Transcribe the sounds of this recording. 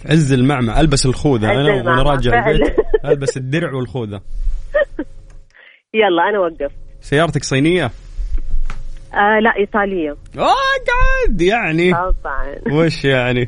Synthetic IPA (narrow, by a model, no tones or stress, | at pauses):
ʕɪzːɪlmaʕmaʔalbasɪlxuːðaʔanawɪnɾˤɑːd͡ʒɪʕlʔalbasɪd̪ːɪɾʕwɪlxuːða | jɑlˤːɑːʔanawaɡːaft̪sajːɑːɾˤɑt̪aksˤiːnɪjːa | ʔalaʔiːt̪ˤɑːlɪjːaaɡaʕad̪jaʕniˤʕɑ̰nweːʃjaʕni